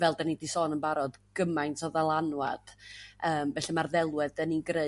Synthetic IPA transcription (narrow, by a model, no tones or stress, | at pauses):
vɛlˠdanidisɔːnənbaɾɔdɡ̥əmajntʰɔðalˠanwa̰d̥əːmvɛɬɛmarðɛlˠwɛðəninɡre